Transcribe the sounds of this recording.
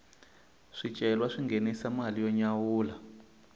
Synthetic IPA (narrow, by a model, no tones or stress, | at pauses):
ʂit͡ʃʼɛlwaʂiŋɡenɛsamalijɔɲawuːla